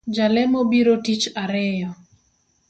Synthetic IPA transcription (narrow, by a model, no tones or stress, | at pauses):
d͡ʒalɛmobiɾotit͡ʃaɾɛjɔ